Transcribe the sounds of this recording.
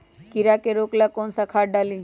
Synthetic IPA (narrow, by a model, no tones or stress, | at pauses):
kiɾakeɾoklakɔnsakʰaɖali